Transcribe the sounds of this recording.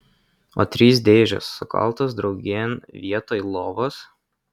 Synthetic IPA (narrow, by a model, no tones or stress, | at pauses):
o̰ːt̪ʲɾʲiːsd̪ʲeːʒʲo̰ːsːʊkɐ̰lˠˑt̪oːsd̪ɾɒʊɡʲeːnʋʲiɛt̪oːlˠoːʋoːs